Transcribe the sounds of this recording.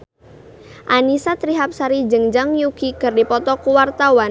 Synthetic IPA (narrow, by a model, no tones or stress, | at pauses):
ʔanisat̪ɾiɦap̚saɾid͡ʒəŋd͡ʒaŋjukikɨrdipɔt̪ɔkuwart̪awan